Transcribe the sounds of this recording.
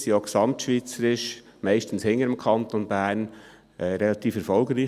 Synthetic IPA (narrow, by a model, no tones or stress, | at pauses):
sjoksɑmt̪ʃʋiːt͡səɾɪʃ | mæɪʃtən̩shɪŋəɾəmkʰɑnt̪onb̥æːɾn | ʔɛɾɛlɑt̪iːfɛɾfɔlɡɾiː